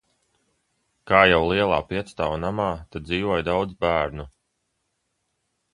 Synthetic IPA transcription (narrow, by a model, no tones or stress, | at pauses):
kaːjawlˠiɛlˠa̰ːpiɛt̪st̪aːwnamaːt̪ad̪̚d̪ziːvuɔjd̪awd̪zbæːɾnu